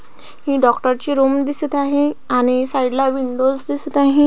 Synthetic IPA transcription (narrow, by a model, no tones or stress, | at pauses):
hĩɖɔkʈəɾt͡ɕiːɾomd̪isət̪aɦẽaɽ̃isaiɽlaʋiɳɖod͡zd̪isət̪aɦẽ